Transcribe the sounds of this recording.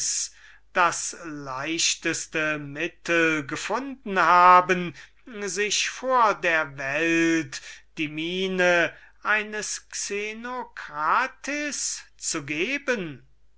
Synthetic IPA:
s | d̥aslaɪʃtəstəmɪtʰəl̩ɡəfʊndn̩haːbən | zɪʃfoːɐdeːɐvɛltd̥iːmiːnəʔaɪnəsksenokʁaːtʰɪst͡suɡeːbən

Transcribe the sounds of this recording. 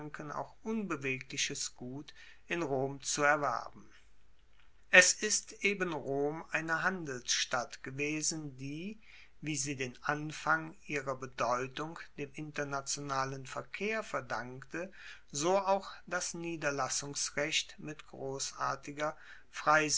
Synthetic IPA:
ŋkəna̰ʊxʔʊnbəveːklɪʃəsɡ̥uːt | ʔɪnʁoːmt͡suɛɐvɛ̰ɐbm̩ | ʔɛsɪstʔeːbənʁoːmʔaɪnəɦandl̩sʃtatɡ̥əveːzn̩diː | viːziːdeːnʔanfaŋʔiːʁɐbədɔʏtʊŋd̥eːmʔɪntɐnat͡sjonaːlənfɛɐkʰeːɐfɛɐdaŋkktə | zoːaʊxd̥asniːdɐlasʊŋsʁɛçtmɪtɡ̥ʁoːsa̰ːɐtɪɡɐ | fʁ̥aɪz

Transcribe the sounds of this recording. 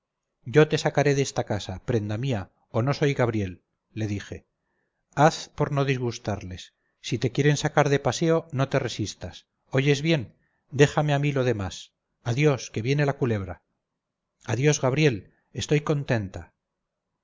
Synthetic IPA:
ɟ͡ʝo̞t̪e̞sakaɾe̞ðest̪akasapɾe̞nd̪amia | o̞no̞so̞jɣaβɾje̞lː | e̞ðixe̞ | aθpo̞ɾno̞ðizɣust̪aɾle̞sː | it̪e̞kje̞ɾe̞nsakaɾðe̞pase̞o̞no̞t̪e̞re̞sist̪as | o̞ʝe̞zβje̞n | d̪e̞xame̞amilo̞ðe̞mas | aðjo̞ske̞βje̞ne̞lakule̞β̞ɾa | aðjo̞zɣaβ̞ɾje̞l | e̞st̪o̞jko̞nt̪e̞nt̪a

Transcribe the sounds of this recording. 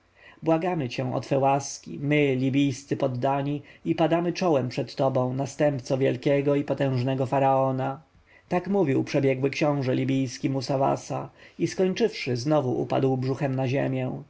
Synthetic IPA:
bwaɡamɘt͡ɕɛ̃w̃ʔɔ̰t̪fɛwaskʲḭmɘlʲibʲijst̪sɘpɔd̪ːaɲiipad̪amɘt͡ʂɔwɛmpʂɛt̪ːɔbɔ̃w̃nast̪ɛmpt̪sɔvʲjɛlkʲɛɡɔipɔt̪ɛ̃w̃ʐnɛɡɔfaɾaɔna | t̪akmuvʲiwpʂɛbʲjɛɡwɘkɕɔ̃w̃ʐɛlʲibʲijskʲimusava̰saiskɔɲt͡ʂɘfʂɘznɔvuʔṵpa̰d̪wbʐuxɛmnaʑḛmʲjɛ̃

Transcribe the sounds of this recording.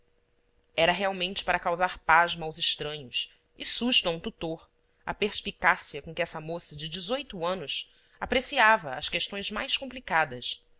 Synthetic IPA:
ɛɾɐɦeawmẽnt͡ʃɪ̥paɾɐkawzaɾpaʒmɐawzɪʃt̪ɾɐ̃ɲʊs | ɪsuʃt̪uɐ̃ũt̪ut̪oɾ | ɐ̰peɾspikasiɐkõkɪɛsɐmosɐd͡ʒɪd͡ʒɪzojt̪uɐ̃nʊʃ | apɾesiavɐːʃkeʃt̪õj̃zma̰jskõplikad̪ɐs

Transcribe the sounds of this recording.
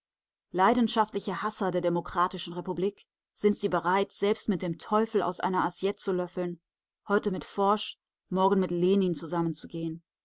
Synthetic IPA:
laɪdn̩ʃaftlɪçəhasɐdeːɐdemokʁ̥aːtɪʃn̩ʁepubliːk | z̥ɪntz̥iːbəʁaɪtz̥ɛlpstmɪt̚d̥eːmtʰɔʏfl̩a̰ʊsʔa̰ɪnɐʔazjɛtt͡sulœfl̩n | hɔʏtəmɪtfɔɐʃ | mɔɐɡn̩mɪtleːniːnt͡suzamənt͡suɡeːən

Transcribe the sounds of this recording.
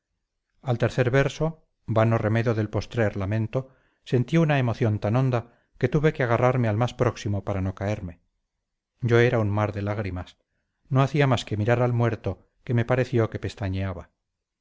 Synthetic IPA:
alt̪e̞ɾθe̞ɾβeɾso̞ | banore̞me̞ðjoðe̞lpo̞st̪ɾeɾlamẽ̞nt̪o̞ | se̞nt̪iunae̞mo̞θjo̞nt̪ano̞nd̪a | ke̞t̪uβe̞keaɣ̞araɾmealmaspɾo̞ksimo̞paɾano̞kae̞ɾme̞ | ɟ͡ʝo̞e̞ɾaunmaɾðe̞laɣ̞ɾimas | no̞aθiamaske̞miɾaɾalmwe̞ɾt̪o̞ | ke̞me̞paɾe̞θjo̞ke̞pe̞st̪aɲeaβa

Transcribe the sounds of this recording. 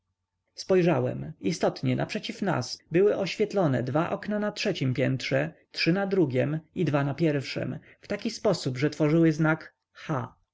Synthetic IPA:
spɔjʐawɛ̰mist̪ɔt̪ɲɛna̰pʂɛt͡ɕifna̰sbɘwɘʔɔɕfʲjɛt̪lɔnɛ̰d̪vaʔɔknanatʂɛt͡ɕimpʲjɛnt̪ʂɛtʂɘnad̪ɾuɡʲɛmid̪vanapʲjɛɾfʂɛ̰m | ft̪akʲispɔsubʐɛt̪fɔʐɘwɘznak | xa̰

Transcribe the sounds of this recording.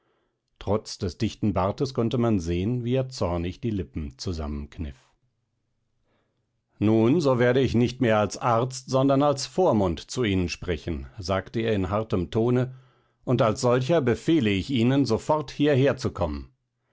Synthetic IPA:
tʁ̥ɔt͡sd̥ɛsd̥ɪçtn̩baɐtəskɔntəmanzeːənviːeːɐt͡sɔɐnɪçd̥iːlɪpm̩t͡suza̰mənknɪ̰f | nuːnzoːveːɐɾəɪçnɪçtmeːɐalsʔaɐt͡stz̥ɔndɐnalsfoːɐmʊntt͡suiːnənʃpʁ̥ɛçn̩zaːktəeːɐɪnɦaʁtəmtʰoːnə | ʔʊntalsz̥ɔlç̬ɐbəfeːləɪçʔiːnənzofɔʁthiːɐɦeːɐt͡sukʰɔmən

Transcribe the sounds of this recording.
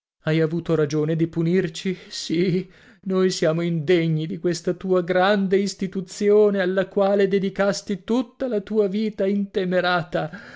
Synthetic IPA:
ajavuːt̪oɾad͡ʒoːned̪ipunirt͡ʃisi | nojsjaːmoind̪eɲːid̪ikwest̪at̪uːaɡɾand̪eist̪it̪ut̪sjoːnealːakwaːled̪ed̪ikast̪it̪ut̪ːalat̪uːaviːt̪aint̪emeɾaːt̪a

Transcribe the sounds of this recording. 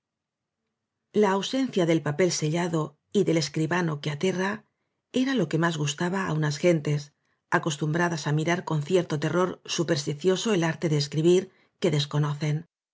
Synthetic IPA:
laːwse̞nθjaðe̞lpape̞lse̞ʎaðo̞ | iðe̞le̞skɾiβano̞keat̪e̞ra | e̞ɾalo̞ke̞mazɣust̪aβaːunasxe̞nt̪e̞s | ako̞st̪umbɾaðasamiɾaɾko̞nθje̞ɾt̪o̞t̪e̞ro̞ɾsupe̞ɾst̪iθjo̞so̞elaɾt̪e̞ðe̞ːskɾiβiɾ | ke̞ðe̞sko̞no̞θe̞n

